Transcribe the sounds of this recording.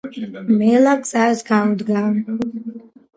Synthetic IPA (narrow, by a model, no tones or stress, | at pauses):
melakʼt͡sʼazɡʰaud̪ɡa